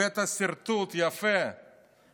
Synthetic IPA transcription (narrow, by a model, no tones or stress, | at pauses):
ɛt̪ɐsiɾt̪ut̪iɐfɛ